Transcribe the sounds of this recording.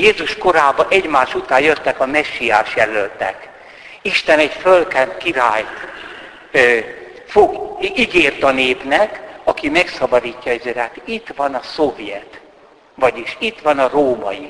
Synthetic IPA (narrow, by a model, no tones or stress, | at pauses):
jeːzuʃko̞ɾaːbɒʔɛɟmaːʃut̪aːjøt̪ːɛkɒmɛʃːija̰ːʃjɛlølt̪ɛ̰k | iʃt̪ɛnɛɟfølkɛnt̪kiɾaːjt̪ | foɡiɡeːrt̪ɒneːpnɛkɒkimɛksɒbɒd̪iːcːɒɛzɛɾaːt̪it̪ʋɒnɒsovjɛt̪ | ʋɒɟiʃit̪ʋɒnɒroːmɒ̰ji